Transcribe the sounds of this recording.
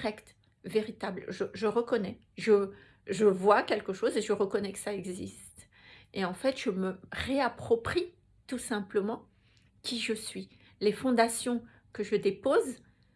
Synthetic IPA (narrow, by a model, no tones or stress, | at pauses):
ʁɛkt̪ | veʁit̪ablʒəʒəʁəkɔnɛ | ʒə | ʒəvwakʲɛlkəʃozeʒəʁəkɔnɛkə̥saɛɡzist̪ | eɑ̃fɛt̪ʒəməʁeapχɔpχi | t̪usɛ̃pləmɑ̃ | kʲiʒəsɥi | lefɔ̃d̪asjɔ̃ | kəʒəd̪epoz